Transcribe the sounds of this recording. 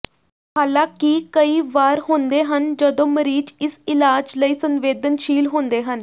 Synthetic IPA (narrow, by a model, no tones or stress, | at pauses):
haːlãːkikəiːʋaːɾɦõːnd̪eːɦənd͡ʒəd̪õːməɾiːd͡ʒɪsɪlaːd͡ʒləiːsənʋeːd̪ənʃiːlɦõːnd̪eːɦən